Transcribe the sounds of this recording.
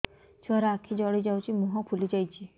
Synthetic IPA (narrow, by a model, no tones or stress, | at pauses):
swaɾaːkʰid͡ʒɔɽid͡ʒawt͡ʃʰimɔɦɔkʰulid͡ʒajt͡ʃʰi